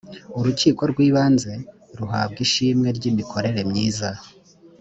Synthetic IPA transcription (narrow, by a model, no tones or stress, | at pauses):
uɾuciːko̞ɾɡwiːβaːnze̞ | ɾuɦa̰b̚ɡiʃiːmŋe̞ɾɟimikʰo̞ɾe̞ɾe̞mɲiːza